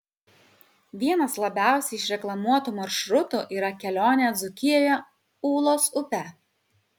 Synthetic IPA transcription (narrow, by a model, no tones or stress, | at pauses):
ʋʲiɛnɐslˠɐbʲæˑʊsʲɛɪʃɾʲɛklˠɐmuɔt̪uːmɐɾʃɾʊt̪uʔiːɾɐkʲɛlʲoːnʲeːd̪zʊkʲɪjoːjɛ | uːlˠoːsʊpʲɛ